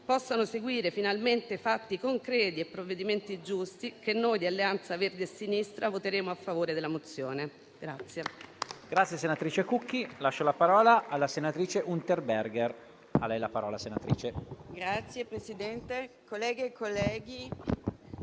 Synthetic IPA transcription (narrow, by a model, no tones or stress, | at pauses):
pɔsːanoseɡwiːɾefinalment̪efat̪ːikoŋkɾɛːt̪iepːɾovːed̪iment̪id͡ʒust̪ikenːoːjd̪ialːeant̪saverd̪eesːinist̪ɾavot̪eɾeːmoafːavoːɾed̪elːamot̪sːjoːne | ɡ̥ɾat̪sːjeɡ̥ɾat̪sːjesenat̪ɾiːt͡ʃekukːilaʃːolapaɾɔːlaʔːlːasenat̪ɾiːt͡ʃeʔunt̪erberɡer | a̰lɛjlapaɾɔːlasenat̪ɾiːt͡ʃeɡɾat̪sjepɾesid̪ɛnt̪ekolːɛːɡekːolːɛːɡi